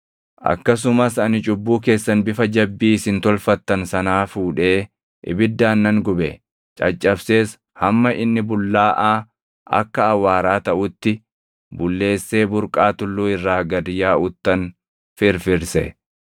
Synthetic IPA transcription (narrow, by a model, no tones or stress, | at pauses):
ʔɐ̰kːɐs̬ʊmɐsɐnɪt͡ʃʼʊbːuːke̞ːsːɐnbɪfɐd͡ʒɐbːiːsɪnt̪ɔlfɐt̪ːɐnsɐnaːfuːᶑe̞ː | ʔɪ̰bɪd̪ːaːnːɐŋɡʊbɛ | t͡ʃʼɐt͡ʃʼːɐbse̞ːs | hɐmːɐʔɪnːɪbʊlːaːʔaː | ɐ̰kːɐːwːaːɾaːt̪ɐʔʊt̪ːɪ | bʊlːe̞ːsːe̞ːbʊɾkʼaːt̪ʊlːuːɪrːaːɡɐd̪ɪjaːʔʊt̪ːɐn | fɪɾfɪɾsɛ̰